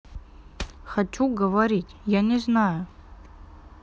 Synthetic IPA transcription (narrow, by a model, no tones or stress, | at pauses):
xat͡ʃuɡəvaɾʲitʲjanʲɪznajʊ